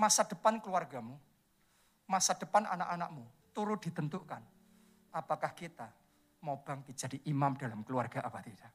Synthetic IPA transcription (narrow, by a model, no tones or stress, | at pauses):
masad̥ə̤pankəluarɡamu | masad̥ə̤pana̰na̰ʔanaʔmut̪uɾʊt̪̚d̥i̤t̪ənt̪ukan | ʔapakahkit̪a | mab̥aŋd̪id͡ʒ̥a̤d̥iʔimamd̥alamkəluarɡ̥a̤ʔapat̪id̥aʔ